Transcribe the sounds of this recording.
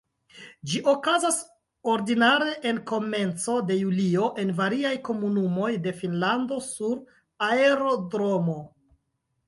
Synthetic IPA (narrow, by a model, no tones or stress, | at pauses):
d͡ʒiʔo̞kazas | o̞ɾdinaɾe̞ʔenko̞me̞nt͡so̞de̞julio̞ʔe̞nvaɾiajko̞munumo̞jde̞finlando̞suɾ | aeɾo̞dɾo̞mo̞